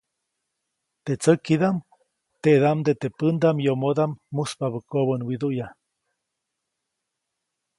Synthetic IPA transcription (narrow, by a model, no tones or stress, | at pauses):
t̪et͡səkiðam | t̪eʔðamd̪et̪epɨnd̪amjomod̪amːuspaβəkoβənwid̪uja